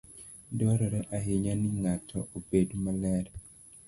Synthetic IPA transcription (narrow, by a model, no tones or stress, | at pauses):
dɔɾɔɾɛʔaɦɪɲanɪŋatʰɔʔobedomalɛɾ